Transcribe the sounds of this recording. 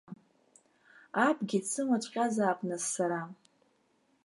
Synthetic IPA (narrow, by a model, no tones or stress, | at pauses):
apʰʼɡʲit͡sʰɨmat͡ʃʷʼqʲʼazaːpʼnɨzsaɾa